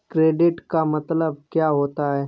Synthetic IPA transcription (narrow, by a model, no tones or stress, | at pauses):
kɾeːɖɪʈkamɐt̪ləb̚kjaːɦoːt̪aɦɛː